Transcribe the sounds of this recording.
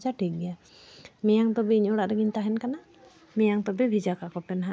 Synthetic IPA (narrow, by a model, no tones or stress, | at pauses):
d͡ʒaʈʰik̚ɡɛja | mɛjaŋt̪ɔbɛiɲɔɽaʔɾɛɡiɲt̪aɦɛnkana | mɛjaŋt̪ɔbɛbʱid͡ʒakakɔpɛnɦa